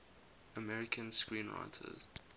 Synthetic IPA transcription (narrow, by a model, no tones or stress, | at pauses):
əmɛɹɪkʰə̃nskɹĩːnɹa̰ɪtʰə̰z̥